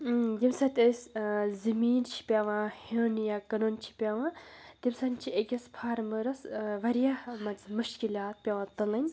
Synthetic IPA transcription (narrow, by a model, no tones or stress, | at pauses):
d̪imsɐt̪ʲeszɐmiːnt͡ʃʰi̥pʲaʋãhənjakɐnont͡ʃʰi̥pʲaʋãːd̪̥ʲimsɐnt͡ʃʰiekʲɐspʰaːɾmɨɾɐsʋɐɾijahmɐt͡smuʃkilaːt̪̚pʲaʋãːt̪ɐnlɐnʲ